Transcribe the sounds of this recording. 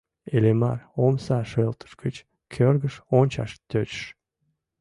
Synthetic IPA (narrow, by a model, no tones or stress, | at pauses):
elemɑ̰romsɑʃelt̪ə̥ʃkət͡ɕ | kʲʰørɡəʃonʲt͡ɕɑ̰ʃt̪ʲøt͡ɕʃ